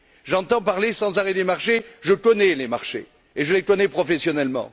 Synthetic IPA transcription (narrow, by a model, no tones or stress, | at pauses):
ʒɑ̃t̪ɑ̃paʁlesɑ̃zaʁɛd̪emaʁʃeʒəkɔnɛlemaʁʃḛ | eʒəlekɔnɛpχɔfɛsjɔnɛlmɑ̰̃